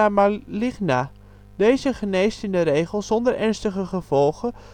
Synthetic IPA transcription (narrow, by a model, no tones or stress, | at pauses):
amalɪxna | d̥eːzəχəneːstɪndəɾeːɣəlˠsɔndərʔɛrnstəχəχəv̥ɔlˠɣə